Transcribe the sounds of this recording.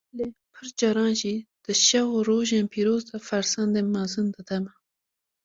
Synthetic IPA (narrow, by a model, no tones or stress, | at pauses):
lepʰəɾd͡ʒaɾɑ̃ːʃid̪̥əʃawoɾoʒãmpʰiɾozt̪afaɾsand̪emazɨnd̪ət̪ama